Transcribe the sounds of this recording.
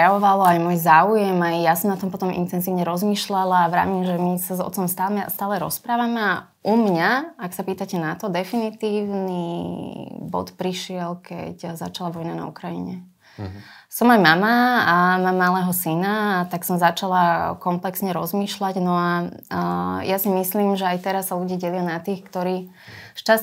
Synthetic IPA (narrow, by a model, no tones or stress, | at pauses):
pɾɛjaʋɔʋalɔajmɔːjzaːujɛmajjasɔmnat̪ɔmpɔt̪ɔmʔḭnt̪ɛnziːʊɲɛɾɔzmiːʃlalaːʋɾa̰ːmimʒɛmisazɔ̰t̪t͡sɔmst̪aːmɛ̰st̪aːlɛɾɔ̰spɾaːʋamɛa | ʔumɲaaksapiːt̪acɛnat̪ɔd̪ɛfinit̪iːʊni | bɔ̰t̪pɾiʃɪɛlkɛ̰cza̰t͡ʃalaʋɔjnana̰ṵkɾajḭɲɛ | sɔmajmamaamaːmːalɛːɦɔsinat̪aksɔmzat͡ʃalakɔmplɛksɲɛɾɔzmiːʃlaɟnɔa | jasimisliːmʒɛajt̪ɛɾasːaluɟiaɟɛlɪanat̪iːxkt̪ɔɾiː | ʃt͡ʃa